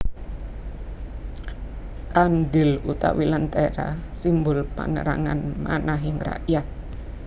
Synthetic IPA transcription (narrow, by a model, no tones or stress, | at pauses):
kanɖɪlut̪a̰wilant̪eɾa̰simbʊlpa̰nə̰ɾaŋanmanaɦɪŋra̰ʔjat̪̚